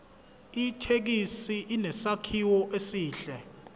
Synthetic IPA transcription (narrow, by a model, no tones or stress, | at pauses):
itʰek̬isiʔinɛsakʰiwɔʔesiːɬɛ